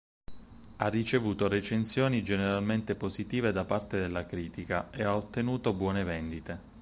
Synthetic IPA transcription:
arːit͡ʃevuːt̪oɾet͡ʃensjoːnid͡ʒeneɾalment̪epozit̪iːved̪apart̪ed̪elːakɾiːt̪ikaeaot̪ːenuːt̪obwɔːnevɛnd̪it̪e

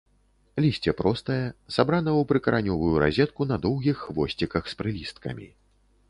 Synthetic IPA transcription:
lʲisʲt͡sʲɛpɾɔst̪ɐjɛsabɾanɐwpɾɨkɐɾʔanʲɔvujuɾa̰zʲɛt̪̚kun̪ɐd̪ɔwɣʲixːvɔsʲt͡sʲikɐxspɾɨlʲist̪kɐ̰mʲḭ

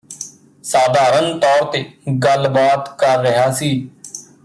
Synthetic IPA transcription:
saːd̪ʱaːɾənt̪ɔːɾt̪eːɡəlbaːt̪kəɾːəɦaːsiː

